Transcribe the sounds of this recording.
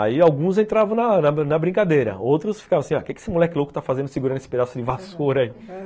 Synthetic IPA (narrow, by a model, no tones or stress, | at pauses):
a̰iawɡũz̬ẽnt̪ɾavɐ̃w̃nɐnɐnɐbɾĩŋkad̪ejɾɐ̰owt̪ɾʊsfi̥kaṽɐ̃asĩakekɪe̥sɪmulɛkɪlokʊ̥t̪afazẽnd̪ʊsɪɡuɾɐnesɪ̥ped̪asʊd̪ɪvasoɾɐi